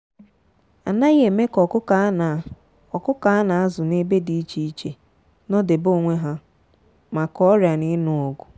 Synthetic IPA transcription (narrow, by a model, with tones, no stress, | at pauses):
a˨na˦e˨me˦kɔ˨kʊ˦a˨˦n˨ | ɔ˨kʊ˦ka˨˦na˨a˦zʊ˨ne˦be˦di˦i˦t͡ʃi˦i˦t͡ʃe˨ | nɔ˦de˨bo˦˨ŋʷe˦ɦa˦ | ma˨kɔ˦ɾja˨nɪ˦nʊ˦o˨ɡʊ˨